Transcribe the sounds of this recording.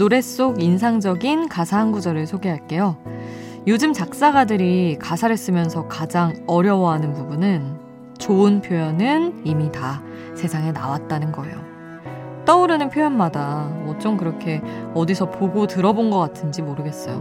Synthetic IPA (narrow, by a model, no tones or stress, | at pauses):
noɾe̞s͈oɡinsʰaŋd͡ʑʌɡinkasʰaɦanɡud͡ʑʌɾɯɭsʰoɡeɦaɭk͈e̞jo | jod͡ʑɯmt͡ɕak̚s͈aɡadɯɾikasʰaɾe̞s͈ɯmjʌnsʰʌkad͡ʑaŋʌɾjʌwʌɦanɯnpubunɯn | t͡ɕoɯnpʰjojʌnɯnimita | sʰe̞sʰaŋe̞na̰wat̚t͈anɯnɡʌe̞̰jo̰ | t͈ʌuɾɯnɯnpʰjojʌnmadaʌt͡ɕ͈ʌmkɯɾʌkʰe̞ʌdisʰʌpoɡotɯɾʌbonɡʌk͈atʰɯnd͡ʑimoɾɯɡe̞s͈ʌjo̰